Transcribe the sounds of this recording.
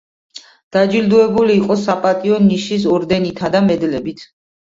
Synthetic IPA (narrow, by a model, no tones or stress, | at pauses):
d̪̥ad͡ʒild̪uɛbuliːqʼɔsapʼat̪ʼiɔnːiʃis̬ɔɾd̪ɛnit̪ʰad̪amɛd̪lɛbit̪ʰ